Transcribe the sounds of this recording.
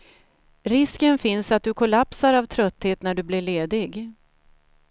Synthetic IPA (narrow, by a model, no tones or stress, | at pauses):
ɾɪskənfɪnsat̪̚d̪ɵkʰʊlapsaɾavt̪ʰɾœt̪ːheːt̪næɖɵblɪɭeːd̪ɪɡ